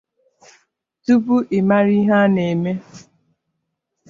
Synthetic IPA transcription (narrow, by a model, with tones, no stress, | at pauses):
tu˦pu˦ʔe˨ma˦ɾi˦ɦa˦ne˨me˦